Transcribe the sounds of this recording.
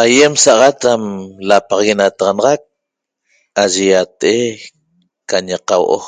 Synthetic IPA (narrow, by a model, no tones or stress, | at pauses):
ajemsɑʔʁat̪amlapaʁɑɣenat̪ɑʁɑnɑʁɑk̚ | aʒejat̪ʔe | kaɲeqawʔo̰